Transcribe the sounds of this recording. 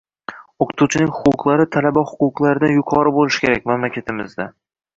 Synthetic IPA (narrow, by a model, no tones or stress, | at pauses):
oqʰɨt̪ʰut͡ʃʰɪnɪŋʲhʊqʊqlˠaɾɪt̪ʰalabahʊ̥qʊqlˠaɾɪd̪anjʊqʰɒɾɪbolɪʃkʲe̞ɾak̚ʲmamlakʲʰat̪ʰɪmɪzd̪a